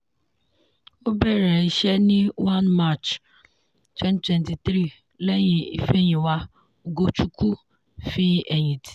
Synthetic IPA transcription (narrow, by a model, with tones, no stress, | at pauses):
o˦be˦ɾe˨i˦ʃe˦nɪ˦wa˦nma˦˨t͡ʃ | tɛ˦n˦twe˨n˨ti˨t̪ɾi˦˨ | le˦ɲɪ˨ḭ˦fe˦ɲɪ˨wa˦˨ | ɡo˦t͡ʃu˦ku˦ | fi˦e˨ɲi˨ti̥˨